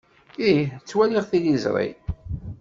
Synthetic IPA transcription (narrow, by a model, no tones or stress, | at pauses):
it͡sːwæliʁθilizɾˤḭ